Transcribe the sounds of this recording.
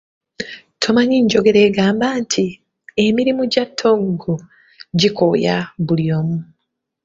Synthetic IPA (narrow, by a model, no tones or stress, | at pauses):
tʰomaɲiɲɟo̞ɡe̞ɾe̞ːɡaːmbantʰi | emiɾimuɟatʰːo̞ŋɡo | ɟikʰoja̰βulio̞ːmu